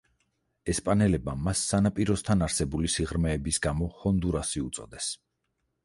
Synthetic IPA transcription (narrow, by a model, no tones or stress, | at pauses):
ɛspʼanɛlɛb̚amasːanapʼiɾɔst̪ʰanaɾsɛbulisiʁɾmɛːbisɡamɔχɔnd̪uɾasiut̪sʼɔd̪ɛs